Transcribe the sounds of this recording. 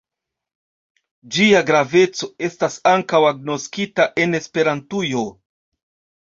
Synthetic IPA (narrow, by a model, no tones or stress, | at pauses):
d͡ʒiaɡɾave̞t͡so̞e̞stasaŋkawaɡ̚no̞skitaʔe̞ne̞spe̞ɾantujo̞